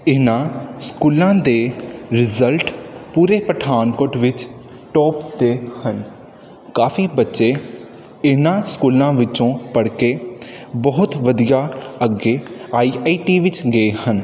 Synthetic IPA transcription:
ɪnãːskuːlãːd̪eːɾɪzəlʈpuːɾeːpəʈʰaːnkoːʈʋɪt͡ʃ | ʈɔːpd̪eːhən | kaːfiːbətːʃeː | ɪnãːskuːlãːʋɪt͡ʃõːpəɽkeːbəɦʊt̪ʋəd̪ijaːəɡeːaːiːaiːʈiːʋɪt͡ʃɡəeːhən

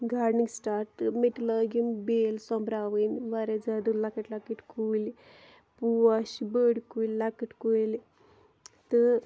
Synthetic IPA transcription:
ɡaɾɖniŋɡsʈaɾʈmeʈləɡimbelsɔmbɾaʋənʋaɾed͡zad̪ulakəʈlakəʈkuli | puaɕibəɽkullakəʈkul | t̪ə

